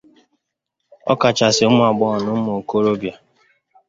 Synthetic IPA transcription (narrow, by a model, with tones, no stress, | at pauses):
ɔ̰˦ka˨t͡ʃa˨sɪ˨ʊ˦m˦a˨ɡ͡bɔ˦ɔ˨nʊ˦m˦o˨ko˦ɾo˦bja˨